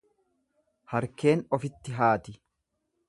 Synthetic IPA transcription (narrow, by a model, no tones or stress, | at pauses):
hɐɾke̞ːnɔfɪt̪ːɪɦaːt̪ɪ